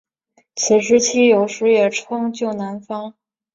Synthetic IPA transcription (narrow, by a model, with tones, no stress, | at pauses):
t͡ɕʰi˧˨˩ʂ̬ɻ̩˧˥t͡ɕʰi˥jo˨˩ʊʂɻ̩˧˥jɛ˨˩ʈ͡ʂʰʊ˥ŋt͡ɕjo˥˩ʊna˧˥nfɑ˥ŋ